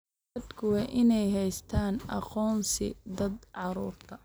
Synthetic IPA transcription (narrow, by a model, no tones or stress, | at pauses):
ɐd̪kʰʊwɑːʔɪnɛjɦɛjst̪ʰaːnʔɑ̰qɔːnsɪ̰d̪ɐd̪ʕɑɾuːrt̪ʰɐ